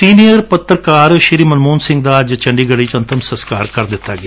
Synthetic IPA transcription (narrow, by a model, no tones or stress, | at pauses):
siːnijəɾpət̪ːɾkaːɾʃɪɾiːmənmuːnsɪ̃ŋɡ̚d̪aːd͡ʒt͡ʃəɳɖiːɡəɽiːt͡ʃənt̪ʰəmsəskaːɾkɐɾd̪ɪt̪ːaːɡɪa